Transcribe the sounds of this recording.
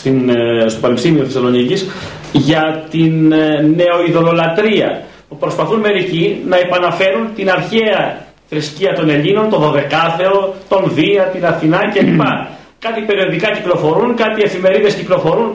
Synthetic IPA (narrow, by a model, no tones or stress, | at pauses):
t̪inst̪o̞pɐɾepisimioθesɐlo̞nicis | ʝɐt̪inːe̞o̞iðo̞lo̞lɐt̪ɾiɐ̰ | pupɾo̞spɐθunme̞ɾicinɐepɐnɐfe̞ɾunt̪inɐɾçe̞ɐ | θɾisciɐt̪o̞ne̞ʎino̞nt̪o̞ðo̞ðe̞kɐθe̞o̞t̪o̞nðiɐt̪inɐθinɐcelipɐ | kɐt̪ipe̞ɾio̞t̪ikɐciklo̞fo̞ɾunkɐt̪ie̞fime̞ɾiðe̞sciklo̞fo̞ɾun